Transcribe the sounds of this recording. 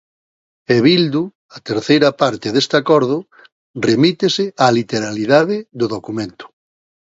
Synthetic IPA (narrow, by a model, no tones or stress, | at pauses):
eβild̪u | at̪eɾθejɾapaɾt̪ɪðest̪akɔɾð̞ʊ | remit̪esɪalit̪eɾaliðaðɪðoðokumẽnt̪ʊ̥